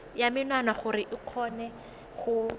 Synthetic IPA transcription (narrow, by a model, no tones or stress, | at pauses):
jamɪnwanaχʊrɪʔɪq͡χʰɔːnɛ | χʊ